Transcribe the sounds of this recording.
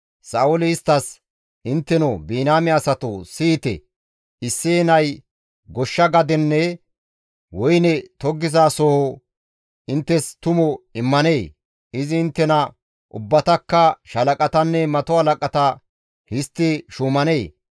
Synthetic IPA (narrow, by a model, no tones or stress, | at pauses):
saːʊlɪɪst̪ːɐs | ʔɪnt̪ːɛnɔbiːnaːmɪɐsɐt̪ʊsiːt̪ɛ̰ | ɪsːeːnɐj | ɡɔʃːɐɡɐd̪ɛnːɛ | wɔjnɛt̪ɔɡːɪzaːsoːhɔ | ɪnt̪ːɛst̪ʊmɔɪmːɐneː | ɪzɪːnt̪ːɛnɐ | ʔʊ̰bːɐt̪ɐkːɐʃɐlɐkʼɐt̪ɐnːɛmɐt̪ɔhɐlɐkʼɐt̪ɐ | hɪst̪ːɪʃumɐneː